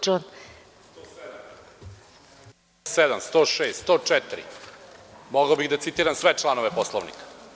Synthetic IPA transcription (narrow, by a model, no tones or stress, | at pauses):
t͡ʃon | sed̪amst̪oːʃeːst̪st̪oːt͡ʂɛt̪iɾḭ | moɡaobiɣd̪at̪sit̪iːɾamsʋet͡ʃlˠanoʋeposlˠoʋnḭkḁ